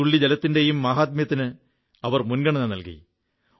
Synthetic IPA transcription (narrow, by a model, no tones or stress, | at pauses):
uɭːid͡ʑelɐt̪ːinde̞jumːaːɦaːt̪̬̚mjɐt̪ːinɨ | ɐʋɐrmunɡɐɳɐnːɐnɐlkḭ